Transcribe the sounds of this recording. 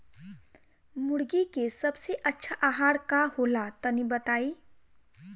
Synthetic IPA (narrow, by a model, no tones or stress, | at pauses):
mʊɽɡikesəbseʔətːʃʰaʔaɦaɽkaholat̪ənibət̪aːi